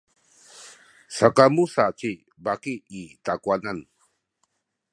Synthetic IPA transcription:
sakamusat͡ʃi | bakiit̪akuanan

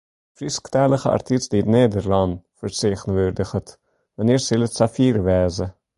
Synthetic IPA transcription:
frisktɛləχəɑ̰rtisdiətneːdərlɑnfərseːχənvørdəχət | vɑnɪːrsɪlətsafiːɾəvɛːzə

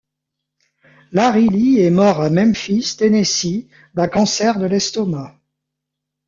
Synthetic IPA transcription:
laʁiliɛmɔʁamɛmfist̪enesi | b̪akɑ̃sɛʁd̪əlɛst̪ɔma

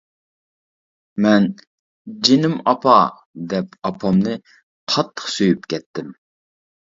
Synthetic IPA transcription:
mɛn | d͡ʒenɪmɑpʰɑ | d̪ɛp̚ɑpʰɑmnɨ | qʰɑt̪ʰːə̥χsøjypkʲɛt̪ʰːɪm

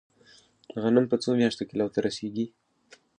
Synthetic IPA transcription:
ɣanampət͡somjɑʂt̪okelawt̪aɾaseɡi

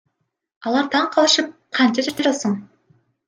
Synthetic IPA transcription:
ɑlˠɑɾt̪ʰɑɴqʰɑlˠɯʃɯp̚qʰɑnt̪et̪ʰet̪eʒɑt̪səɴ

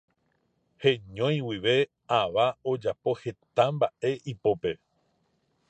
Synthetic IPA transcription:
hẽ̞ɲõ̞j̃wiʋe̞ | aʋao̞d͡ʒapo̞he̞t̪ambaʔe̞ʔipo̞pe̞

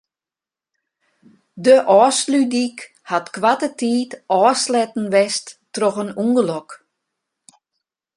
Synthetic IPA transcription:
dəʔɔːslydik | hatkʋatətʰiːtʔɔːslɛtn̩ʋɛsttrɔxənuŋɡəlɔk

